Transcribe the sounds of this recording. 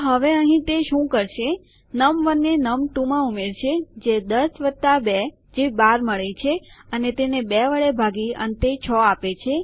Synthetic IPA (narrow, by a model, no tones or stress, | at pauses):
ɦəʋeəɦĩt̪eʃũkəɾʃe | nəmʋənːenəmʈũmãumeɾt͡ʃʰed͡ʒed̪əsʋət̪ːabɛ | d͡ʒebaɾməɭet͡ʃʰeənet̪enebɛʋəɭebʱaɡiə̰nt̪et͡ʃʰɔapet͡ʃʰe